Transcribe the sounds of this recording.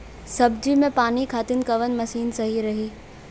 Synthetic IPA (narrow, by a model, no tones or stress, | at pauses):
sɐbd͡ʑimẽpaːnikʰaːt̪ɪn̆kɐʋən̆mɐsiːnsɐɦiɾɐɦiː